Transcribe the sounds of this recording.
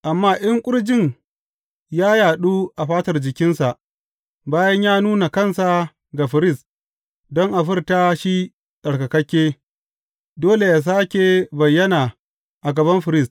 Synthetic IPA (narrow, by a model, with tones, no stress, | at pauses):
ʔa˨mːaː˦ʔɪ˦ŋkʷʼʊ˦ɽd͡ʒɪ˦˨ɲ | jaː˦jaː˨ɗuː˦ʔa˨ɸaː˦tɐ˨rd͡ʒɪ˨kʲɪ˦nsa˨ʔ | baː˦jɐ˦ɲjaː˦nuː˦na˨kɐ˦˨nsa˨ | ɡa˨ɸɪ˨ɾɪ˦˨st | dɔ˦ŋʔa˨ɸɪ˦rta˦ʃi˦ | ɗɐ˨ɽkɐ˨kɐ˦kʲːeː˦ | doː˦le˨jaː˨s̬aː˦kʲe˨bɐ˨jːɐ˦naː˨ | ʔa˨ɡɐ˨bɐ˦mɸɪ˨ɾɪ˦˨st